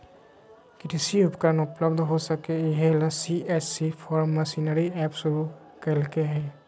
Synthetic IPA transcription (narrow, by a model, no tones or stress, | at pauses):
kɪʈisiʊpkənʊpləbd̪ɦosəkeɪɦelasiʔet͡ʃsipʰɔːɾmːəsinəɾiɛːpsʊɾu | kəlkeɦɛː